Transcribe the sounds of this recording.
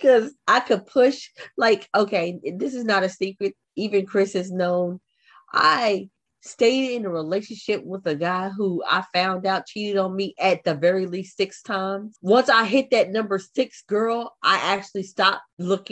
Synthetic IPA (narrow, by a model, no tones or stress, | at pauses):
kʰʌzʔaɪkʰɨd̚pʰʊʃlaɪkoʊkʰeɪðɪsɨznəɾɨsikɹɨɾ̚ | ivɨ̃nkʰɹ̥ɪsɨznõʊ̃n | ʔa̰ɪ | steɪɾɾɪ̃nəɹileɪʃɨ̃n̩ʃɪp̚wəðɨɡaɪɦua̰ɪfãʊ̃ndaʊt̚t͡ʃʰiɾɨɾn̩miʔɨt̪̚ðɨvɛɹilistsɪkstʰãɪ̃mz̥wʌ̃nsaɪɦɪt̪̚ðɨtⁿnʌ̃mbə˞sɪksɡ̥ɜ˞lˠʔa̰ɪʔæk̚t͡ʃʉl̩ˠistɑp̚lʊkɪ̃